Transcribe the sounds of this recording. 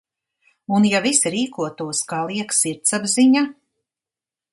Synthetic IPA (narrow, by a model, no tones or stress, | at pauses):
unjavisɾiːkuɔt̪uɔskaːlˠiɛksiɾt̪sabziɲa